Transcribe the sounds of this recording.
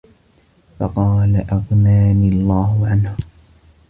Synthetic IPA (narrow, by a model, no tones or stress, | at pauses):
fɑqɑːlaʔɑɣnaːniɑlˤːaːhʕanha